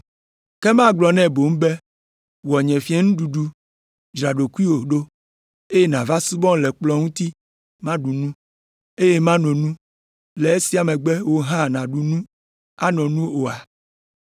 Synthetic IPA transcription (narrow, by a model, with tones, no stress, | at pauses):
kɛ˦mã˦ɡ͡blɔ˨nɛ̃˦bo˨m̩˦be˦ | wɔ˨ɲɛ̃˨fi˦ɛ˦nũ˦ɖu˨ɖu˦ | d͡ʒɾa˨ɖo˨ku˦i˦wo˨ɖo˦ | e˦je˦nã˨va˦su˦bɔ̃˦˨lɛ˨k͡plɔ˦ŋũ˦t̪i˦ | mã˦ɖu˨nũ˦ | e˦je˦mã˦nɔ̃˨nũ˦ | lɛ˨e˦si˦a˨mɛ̃˨ɡ͡bɛ˦wo˦ɦã˦˨nã˨ɖu˨nũ˦ | a˦nɔ̃˨nũ˦o˨a˨